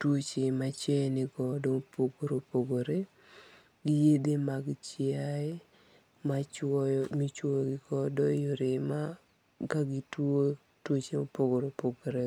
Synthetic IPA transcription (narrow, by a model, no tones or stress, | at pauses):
twot͡ʃemat͡ʃɛnɪɡɔdɔpoɡoɾopoɡoɾe | ɡɪjedemaɡt͡ʃɪaɛ | mat͡ʃɔmit͡ʃwoɡɪɡɔdɔjoɾɪma | kaɡɪtwo | twot͡ʃeopoɡoɾopoɡoɾe